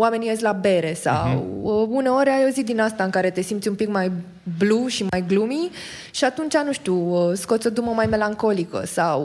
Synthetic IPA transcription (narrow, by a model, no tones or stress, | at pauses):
wame̞nijesʲlabe̞ɾe̞sa̰wəunəoɾeajowzik̚d̪inast̪aɨŋkaɾe̞t̪e̞simt̪sʲumpikmaj | bluʃimajɡlumi | ʃiat̪unt͡ʃanuʃt̪uəsko̞t̪sʲo̞d̪uməmajme̞laŋko̞likə̰saw